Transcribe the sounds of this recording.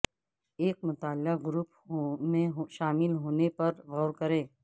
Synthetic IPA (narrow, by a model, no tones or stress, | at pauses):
eːk̚mʊt̪aːlaɡɾup | mẽɦʃaːmɪlɦoːnepɐɾɣɔːɾkɐɾẽː